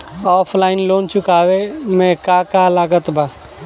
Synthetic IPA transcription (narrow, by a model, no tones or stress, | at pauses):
ɔːpʰlaːɪnloːnt͡ʃʊkaːʋemẽkaːkaːlaːɡət̪baː